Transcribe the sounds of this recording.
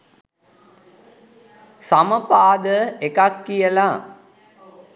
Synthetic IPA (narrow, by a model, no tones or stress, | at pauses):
saməpaːd̪əekakːijəla